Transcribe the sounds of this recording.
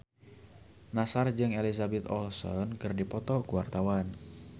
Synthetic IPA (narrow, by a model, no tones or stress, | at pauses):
nasard͡ʒɨŋelizabɛt̪ɔ̰lsɔ̰nkɨrdipɔt̪ɔkuwart̪awan